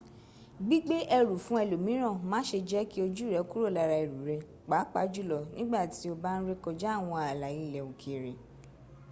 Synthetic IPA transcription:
ɡ͡bi˦ɡ͡be˦ʔɛ˧ɾu˨fũ˨˦ɛ˧lo˨mĩ˨˦ɾ̃ã˦˨mãː˨˦ʃe˧d͡ʒɛ˦ki˦o˧d͡ʒu˦˨ɾɛ˨˦ku˦ɾo˦˨la˧ɾa˧i˨ɾu˨ɾɛ˧ | k͡pa˨˦k͡pa˨˦d͡ʒu˦˨lɔ˨nĩ˦ɡ͡ba˦˨ti˨˦o˧ba˦n̩˦ɾe˦kɔ˧d͡ʒɛ˦a˦˨w̃ɔ̃˧a˨la˨ji˨˧˦lɛ˨o˨kʰe˨ɾe˨

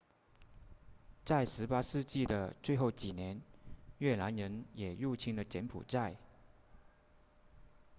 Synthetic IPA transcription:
t͡sa˥˩ɪʂɻ̩˧˥pa˥ʂɻ̩˥˧t͡ɕi˥˩d̪ə˩t͡swe˥˧ɪxo˥˩ʊt͡ɕi˨˩njɛ˧˥nɥɛ˥˩la˧˥nɻə˧˥njɛ˨˩ɻu˥˩t͡ɕʰi˥ŋdə˨t͡ɕjɛ˧˥npʰṵ˨˩t͡sa˥˧˩ɪ

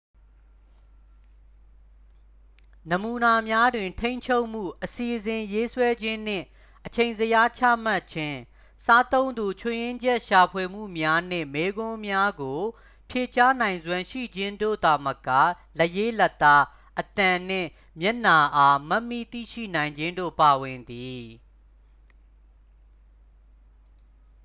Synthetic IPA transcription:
nə˨mu˨na˨mja˦dwɪ̃˨ntʰẽ˦ɪ̃ɲt͡ɕʰo˦ʊʔm̥ṵ˦˨ʔəsi˨ʔzɪ̃˨je˦swɛ˦d͡ʑɪ̃˦n̥ɪ̰̃˦˨ | ʔət͡ɕʰẽ˨ɪ̃nzəja˦t͡ɕʰä̰˦˨ma˦ʔt͡ɕʰɪ̃˦ | sa˦t̪õ˦ʊ̃nd̪u˨t͡ɕʰʊ˨jɪ̃˦ɲd͡ʑɛ˦ʔʃa˨pʰwe˨m̥ṵ˦˨mja˦n̥ɪ̰̃˦˨me˦ɡʊ̃˦mja˦ɡo˨ | pʰje˨t͡ɕa˦nã˨ɪ̃nzwã˨ʃḭ˦˨d͡ʑɪ̃˦ndo̰˦˨d̪a˨məka̰˦˨ | lə˦je˦lɛ˦˨t̪ːa˦ | ʔət̪ã˨n̥ɪ̰̃˦˨ | mjɛ˦ʔna˨ʔa˦ma˦ʔmḭ˦˨t̪ḭ˦˨ʃḭ˦˨nã˨ɪ̃ɲd͡ʑɪ̃˦ndo̰˦˨pa˨wɪ̃˨nd̪i˨

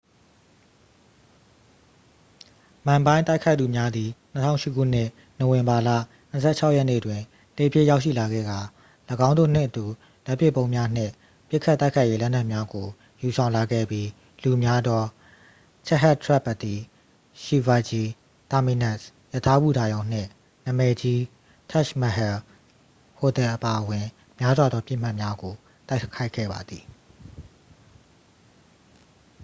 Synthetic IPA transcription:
mã˨mbã˦ɪ̃nt̪a˦ɪkʰa˦ɪt̪u˨mja˦d̪i˨n̥ə˦tʰã̰˦˨ʊ̃ʃɪ˦kʰṵ˦˨n̥ɪ̰˦˨ | no˨wɪ̃˨mba˨lä̰˦˨ | n̥ə˨sʰɛ˦˨t͡ɕʰa˦ʊʔjɛ˦nḛ˦˨dwɪ̃˨ | te˨pʰjɪ̰˦˨ja˦ʊʔʃḭ˦˨la˨ɡɛ̰˦˨ɡa˨ | ləɡã˦ʊ̃nd̪o̰˦˨n̥ɪ̰̃˦˨ʔət̪u˨ | la˦ʔpjɪ˦˨põ˦ʊ̃mja˦n̥ɪ̰̃˦˨ | pjɪ˦ʔkʰːa˦t̪ːa˦ɪkʰa˦ɪje˦lɛ˦na˦ʔmja˦ɡo˨ | ju˨sʰã˨ʊ̃la˨ɡɛ̰˦˨bji˦ | lu˨mja˦d̪ɔ˦ | t͡ɕʰɛ˦ɦa˦ʔtʰɹɛ˦˨pːa˨t̪i˨ | ʃi˨va˨d͡ʑi˦ | t̪a˨mi˨nɛ˦s | jə˨tʰa˦bu˦˨da˨jõ˨ʊ̃n̥ɪ̰̃˦˨ | nã˨mɛ˨d͡ʑi˦ | tʰa˦˨ʃma˨ɦɛ˨ | ho˨t̪ɛ˨ʔəpa˨ʔəwɪ̃˨ | mja˦zwa˨d̪ɔ˦pjɪ˦ʔm̥a˦ʔmja˦ɡo˨ | t̪a˦ɪkʰa˦ɪkʰːɛ̰˦˨ba̰˨d̪ði˨

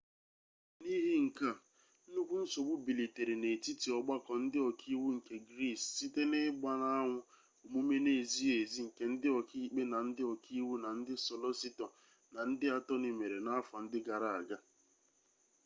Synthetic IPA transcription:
ni˦ɦi˦ŋ̩˨ka˦˨˦ | nu˦kʷu˦n̩˦so˨ɡ͡bʊ˦bi˨li˨te˨ɾi˨ne˨ti˦ti˨ɔ˨ɡ͡ba˦kɔ˨n̩˦dɪ˦ɔ˨kʰi˦wu˦ŋ̩˨ke˨ɡɾi˦˨sːi˦te˦nɪ˦ɡ͡ba˦na˦a˦ŋʷʊ˦ | u˨mu˦me˦ne˨zi˦e˨zi˦ŋ̩˨ke˦n̩˦dɪ˦ɔ˨kʰi˦k͡pe˦na˨n̩˦dɪ˦ɔ˨ki˦wu˦na˨n̩˦dɪ˦sɔ˨lɔ˦si˦tɔ˨ | na˨n̩˦dɪ˦a˨tɔ˦ni˨me˨ɾe˨na˦fa˨n̩˦dɪ˦ɡa˨ɾa˨a˨ɡa˦

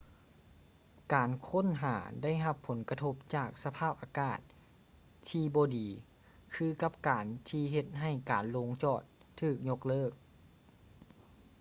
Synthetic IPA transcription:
kaː˨˩nkʰo˥˨nɦaː˩˦da˥˩jɦa˧pʰːo˩˦nka˧t̪ʰo˧˦˥p̚t͡ɕaː˧˨˩k̚sa˧pʰaː˥˩p̚ʔaː˨˧kaː˧˩t̪̚ʰː | iː˧bɔː˧˦diː˨˦ | kʰɯː˧ka˧p̚kaː˨nt̪ʰiː˧ɦe˧t̪̚ɦa˧˩jkaː˨˩nloː˧˥ŋt͡ɕɔː˧˩t̪ʰːɯː˧˩k̚ɲo˧k̚lɤː˥˩k̚

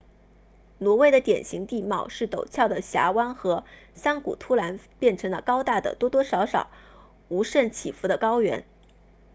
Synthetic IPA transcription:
nwɔ˧˥we˥ɪd̪ə˨t̪jɛ̰˨˩nɕi˧˥ŋt̪i˥˧mɑ˥˩ʊʂɻ̩˥˩t̪o˨˩ʊt͡ɕʰjɑ˥˩ʊd̪ə˩ɕja̰˧˥wa˥nxɤ˧˥sa˥nkṵ˨˩t̪ʰu˥la˧˥npjɛ˥˩nʈ͡ʂʰɤ˧˥ŋlə˧kɑ˥ʊt̪a˥˩d̪ə̰˩t̪wɔ˥t̪wɔ˥ʂɑ˧˥ʊʂɑ˨˩˦ʊ | u˧˥ʂə˥˩nt͡ɕʰi˨˩fu˧˥d̪ə˧kɑ˥ʊɥɛ̰˧˥n

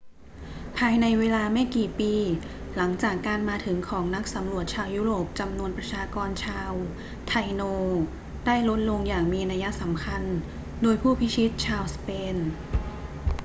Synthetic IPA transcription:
pʰaː˧jna˧jweː˧laː˧ma˥˩jkiː˨˩piː˧ | la˩˦ŋt͡ɕaː˨˩kːaː˧nmaː˧t̪ʰɯ˩˦ŋkʰɔː˩˦ŋna˦˥k̚sa˩˦mɾu˨˩ət̪̚t͡ɕʰaː˧wjuː˦˥ɾoː˨˩p̚t͡ɕa˧mnu˧ənpɾa˧t͡ɕʰaː˧kɔː˧nt͡ɕʰaː˧w | t̪ʰa˧jnoː˧ | daː˥˩jlo˦˥t̪̚lo˧ŋjaː˨˩ŋmiː˧na˧ja˦˥ʔsa˩˦mkʰa˧n | doː˧jpʰuː˥˩pʰi˦˥t͡ɕʰi˦˥t̪̚t͡ɕʰaː˧wspeː˧n

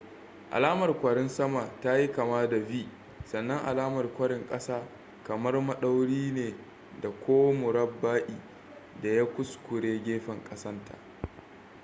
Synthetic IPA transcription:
ʔa̰˨laː˦mɐ˨rkʷɐ˨ɽɪ˦nsɐ˦ma˨taː˦ji˦kɐ˨maː˦da˨biː˦ | sɐ˨nːɐ˦ŋʔa̰˨laː˦mɐ˨rkʷɐ˦ɽɪ˨ŋkʼɐ˦saː˦ | kɐ˨mɐ˦rmɐ˦ɗa˦wɽiː˦neː˨ | da˨kʷoː˦mʊ˨ɾɐ˦bːaː˦ʔʲiː˨ | da˨ja˦kʷʊ˦skʷʊ˨ɽeː˦ɡʲeː˦ɸɐ˨ŋkʼɐ˦sɐ˦ntʰa̰˨ʔ

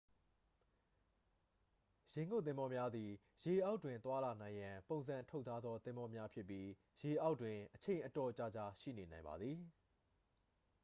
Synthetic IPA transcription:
jẽ˨ŋɡo̰˦˨t̪̬ɪ̃˦mbɔ˦mja˦d̪ði˨ | je˨ʔa˦ʊtːwɪ̃˨nt̪wa˦la˨nã˨ɪ̃jã˨põ˨ʊ̃nzã˨ntʰo˦t̪ʰa˦d̪ðɔ˦t̪ɪ̃˦mbɔ˦mja˦pʰjɪ˦pːji˦ | je˨ʔa˦ʊʔtːwɪ̃˨ʔət͡ɕʰẽ˨ɪ̃ʔətɔ˨t͡ɕa˦˨d͡ʑa˦ʃḭ˦˨ne˨nã˨ɪ̃mba̰˨d̪ði˨

